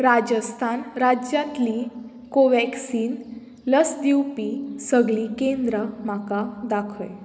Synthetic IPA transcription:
ɾad͡ʑəst̪ʰanɾad͡ʑjat̪li | koʋɛksiːn | ləsd̪iwpisəɡɭiːkẽnd̪ɾəmakad̪akʰə̰j

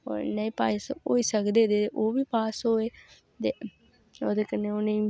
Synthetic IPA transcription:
o̰ːɾnəĩːpaːɪsɦo̰ːiːsəkd̪eːd̪eːt̪eʔoːʋiːpaːsɦoːeː | t̪eː | oːd̪eːkənːeːoːnẽ

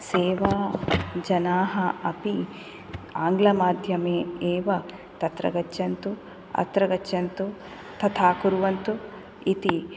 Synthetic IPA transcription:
seːʋaːd͡ʒɐnaːɦɐɐpi | aːŋɡlɐmaːd̪ʱjɐmeːeːʋɐ | t̪ɐt̪ɾɐ̰ɡɐt͡ʃːjɐnt̪u | ɐ̰t̪ɾɐɡɐt͡ʃːjɐnt̪u | t̪ʰɐt̪ʰaːkuɾuʋɐnt̪u | it̪i

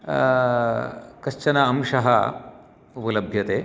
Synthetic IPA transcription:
kɐʃt͡ʃɐnɐɐmʂɐɦɐ | upɐlɐbʱjɐt̪eː

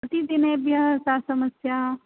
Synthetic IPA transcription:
ɐt̪id̪ɪnebjɐɦsasɐməsjaː

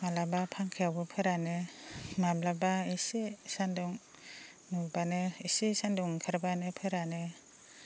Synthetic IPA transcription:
malabapʰaŋkʰijawbɯpʰɯɾanemablabaisesanduŋ | nubaneisisanduŋkʰɯɾbanepʰɯɾane

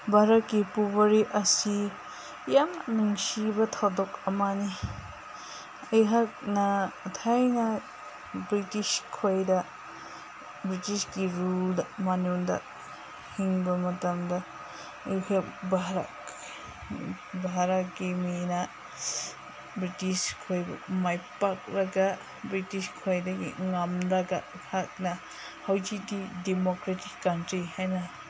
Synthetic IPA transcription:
bʱaɾɐt̚kipubɐɾiʔɐsi | jamnuŋsibɐtʰawdɔkɐmani | ɐjɦak̚nɐtʰajnɐ | bɾitiskʰojdɐ | bɾitisɡiɾuldɐmanundɐ̰ | hiŋbɐmɐtɐmdɐ | ihebaɦɾa̰k | baɦɾakimĩnã | bɾit̪iʃkʰajba̰majpakɾaɡa | bɾit̪iʃkʰwajd̪akḭŋamd̪aɡaʔ | haknã | hawt͡ʃid̪id̪imokɾat̪ikːantɾihanã

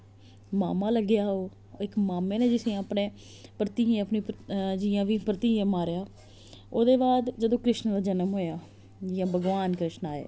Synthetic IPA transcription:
maːmãːləɡjaːɦoː | ɪkmaːmẽːnẽːd͡ʒɪsẽːapnẽː | pɾət̪iːẽːəpnĩːpd͡ʒɪjãːʋiːpɾət̪iːãːmaːɾjaː | oːd̪eːbaːd̪d͡ʒəd̪õːkɾɪʃnd̪aːd͡ʒənəmɦoːjaː | d͡ʒɪãːbʱəɡʋaːnkɾɪʃnaːḛː

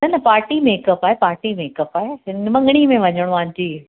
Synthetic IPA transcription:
nɐnɐpaːɾʈimeːkəpaːepaːɾʈimeːkəpaːeɪnmɐ̃ŋɡɽ̃imẽʋɐɲəɽ̃ãːɲd͡ʑiː

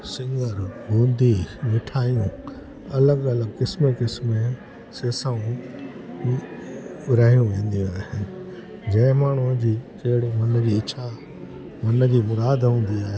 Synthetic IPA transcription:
sɪ̃ŋɡəɾɡũːnd̪iʋɪʈʰaːjũ | ɐləɡɐləɡkɪsmekɪsmẽ | seːsaːũ | ɾaɦijũʋẽːn̆d̪ijũaːɦe | d͡ʑɐ̃ɪ̃maːɳ̤ud͡ʑiːt͡ɕɐɦɪɽimɐnd͡ʑiːɪt͡ɕʰa | mɐnəd͡ʑiːmʊɾaːd̪ɦũːn̆d̪iaːɦe

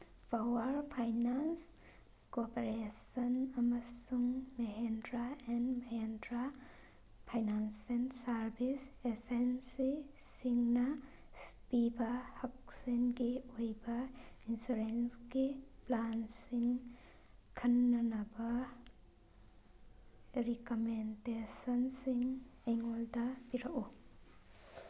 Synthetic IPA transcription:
pawaɾpʰajnans | kopeɾesɐnɐmɐsuŋmeɦendɾaɛnmeɦendɾa | pʰajnansensaɾbʱisesensi | siŋna | spibahɐk̚sinɡiojbɐinsuɾensɡiplansiŋ | kʰɐnːɐnɐbɐ | ɾikomendesɐnsiŋeŋoldɐbiɾaʔu

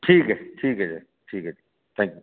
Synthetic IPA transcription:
ʈʰiːkɛʈʰiːkɛd͡ʒeː | ʈʰiːkɛd͡ʒe | t̪ʰɛ̃ːŋkju

